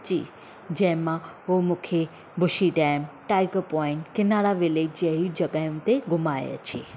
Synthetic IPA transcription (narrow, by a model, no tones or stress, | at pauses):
d͡ʒḭː | d͡ʒɛ̃ɦmãomũːkʰe | bʊʃiʈɛːmʈaːɪkəpɔːɪɳʈkɪnaɽaʋɪleːd͡ʒd͡ʒɛːɾid͡ʒɐɡajũt̪eɡʊmaːḛə̰t͡ʃʰeː